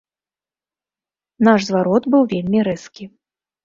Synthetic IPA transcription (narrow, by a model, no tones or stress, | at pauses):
naʂzvaɾɔt̪bɨwvʲelʲmʲiɾɛskʲi